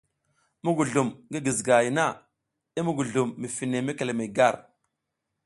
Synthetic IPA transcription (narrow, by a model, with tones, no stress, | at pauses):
mu˦ɡu˨ɮu˨mŋɡi˦ɡi˨zɡa˨ji˨na˦˨ | i˦mu˦ɡu˨ɮu˨mːi˨fi˨ne˨me˦ke˨le˨me˨ɡa˦˨ɾ